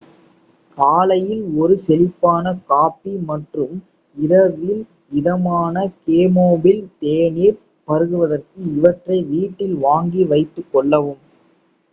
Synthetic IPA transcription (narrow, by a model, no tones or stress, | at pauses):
kaːlɐjɪlɔɾɯsɛlɪpːaːnɐkaːpːimɐʈrɯm | ɪɾɐɾʋɪl | ɪðɐmaːnɐkeːmoːbɪlt̪eːniːɾ | pɐɾɯɣɯʋɐðɐrkɯɪʋɐʈrɐɪʋiːʈːɪlʋaːŋɡiʋɐɪt̪ːɯkːɔɭːɐʋɯm